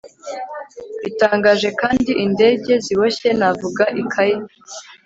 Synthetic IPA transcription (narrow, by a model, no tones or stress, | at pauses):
itaːŋɡaːʒe̞kaːndiʔinde̞ɟe̞ziβoçe̞navuɡaʔikʰaje